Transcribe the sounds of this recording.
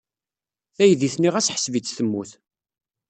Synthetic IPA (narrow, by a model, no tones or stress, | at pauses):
θæjðiθniʁæsħə̥svit͡sːθəmːuθ